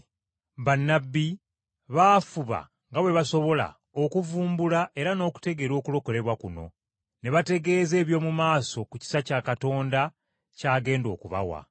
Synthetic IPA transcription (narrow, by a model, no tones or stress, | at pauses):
βanːabːi | βaːfuβa̰ | ŋɡawe̞βaso̞βo̞la̰ | okuvuːmbulaʔe̞ɾano̞ːku̥te̞ɡe̞ɾo̞ːkulo̞ko̞le̞βwakuno̞̰ | ne̞βate̞ɡe̞ːze̞ːβjo̞ːmumaːso̞kuci̥sacaːkato̞ːnda | caːɡe̞ːndo̞̰ːkuβa̰wa̰